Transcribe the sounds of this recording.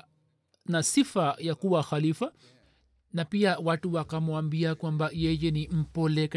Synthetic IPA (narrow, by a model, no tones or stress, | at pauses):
nasifajakuwaxalifa | napiawatuwakamuambiakwambajɛjɛnim̩pɔlɛk